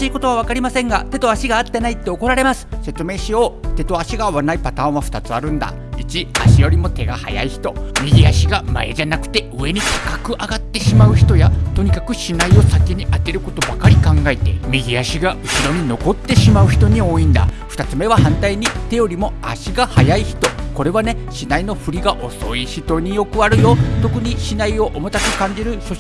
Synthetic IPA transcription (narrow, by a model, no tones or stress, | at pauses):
iːko̞t̪o̞βaβ̞akaɾʲimasẽ̞ŋɡat̪e̞t̪o̞aɕiɡaːt̪ːe̞nait̪ːe̞oko̞ɾaɾe̞masɨ̥se̞t͡sɨme̞ːɕijo̞ːt̪e̞t̪o̞aɕiɡaβanaipat̪ãːɰ̃aɸɯ̟̥t̪at͡sɨaɾɯ̟̃nd̪a̰ | it͡ɕia̰ɕijo̞ɾʲimo̞t̪e̞ɡaha̰ja̰içi̥t̪o̞mʲiɡʲiaɕiɡama̰ed͡ʑanakɯ̟̥t̪e̞ɯ̟e̞ɲ̟ikḁkakɯ̟ʔaɡat̪ːe̞ɕimaɯ̟çi̥t̪o̞jat̪o̞ɲ̟ikakɯ̟ɕinaio̞sake̞ɲ̟iʔat̪e̞ɾɯ̟ko̞t̪o̞bakaɾʲikãŋɡae̞t̪e̞̰mʲiɡʲiaɕiɡaʔɯ̟ɕiɾo̞ɲ̟ino̞ko̞t̪ːe̞ɕimaɯ̟çi̥t̪o̞ɲ̟io̞ːĩnd̪a̰ɸɯ̥t̪at͡sɨme̞βahãnt̪aiɲ̟it̪e̞jo̞ɾʲimo̞aɕiɡahajaiçi̥t̪o̞ko̞ɾe̞βane̞ | ɕinaino̞ɸɯ̟ɾʲiɡaʔo̞so̞iɕit̪o̞ɲ̟ijo̞kɯ̟aɾɯ̟jo̞t̪o̞kɯ̟ɲ̟iɕinaio̞ʔomo̞t̪akɯ̟kãɲ̟d͡ʑiɾɯ̟so